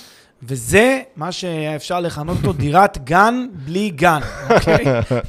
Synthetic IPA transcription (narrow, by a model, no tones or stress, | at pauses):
vezemaʃeefʃaʁle̞χanot̪ot̪odiʁat̪ɡanbliɡanokʰej